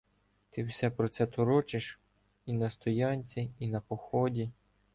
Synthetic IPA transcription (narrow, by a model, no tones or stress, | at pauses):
t̪ɪwsʲɛpɾɔt̪sɛt̪ɔɾɔt͡ʃɪʃ | inɐst̪ɔjɑnʲt͡sʲiinɐpɔxɔdʲi